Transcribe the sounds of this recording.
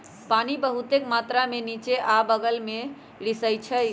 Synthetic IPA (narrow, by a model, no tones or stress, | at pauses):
panibəɦut̪ekmat̪ɾamenit͡ʃeʔabəɡəlme | ɽisəjt͡ʃʰəj